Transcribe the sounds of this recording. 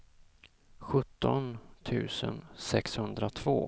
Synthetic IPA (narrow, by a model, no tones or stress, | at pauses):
ɧɵt̪ːɔnt̪ʰʉ̟ːsənsɛkshɵnd̪ɾat̪ʰvoː